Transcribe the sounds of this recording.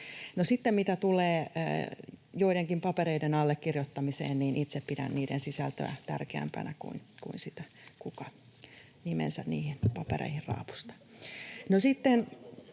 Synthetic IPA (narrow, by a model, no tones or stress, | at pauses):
nosit̪ːemmit̪æt̪ulḛː | joiɾeŋkimpɑpeɾeidenɑlːekkirjot̪ːɑmisḛːnniːnʔit̪seppidæ̰nniːdḛnsisælt̪ø̰æt̪ærkeæ̰mpæ̰nækṵinkuinsit̪æ̥ | kukɑ | nimḛnsænniːhinpɑpḛrḛihirrɑ̰ːpu̥st̪ɑ̥nosit̪ːen